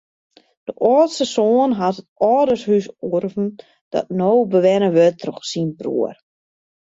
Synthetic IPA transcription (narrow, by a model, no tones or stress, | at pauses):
d̥əʔɔːtsəsoːnɦatətɔːdəshysurvn̩ | d̥ɔ̰tnowbəʋɛnəʋøtʰruxsinprṵər